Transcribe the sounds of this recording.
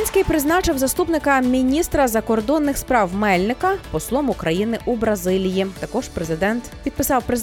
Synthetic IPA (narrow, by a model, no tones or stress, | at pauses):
nʲsʲkɪjpɾɪznɑt͡ʃɪwzɐst̪upnɪkɐmʲinʲist̪ɾɐzɐkɔrd̪ɔnːɪxspɾɑwmɛlʲnɪkɐpɔslˠɔmʊkɾɐjinɪʔubɾɐzɪlʲijit̪ɐkɔʒ̥pɾezɪd̪ɛnt̪pʲid̪̥̚pɪsɑwpɾe